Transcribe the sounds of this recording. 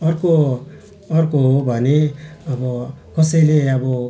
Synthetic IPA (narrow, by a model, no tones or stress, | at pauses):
ʌɾkoː | ɾkobʱʌneʌbʌkʌsʌjleʌbɔ